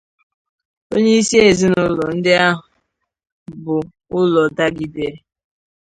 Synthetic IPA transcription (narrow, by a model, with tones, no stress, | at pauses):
o˦ɲe˦i˦si˦e˨zi˦nʊ˦lɔ˨n̩˦dɪ˦a˦ɦʊ˨ | bʊ˨ | ʊ˦lɔ˨da˦ɡi˨de˦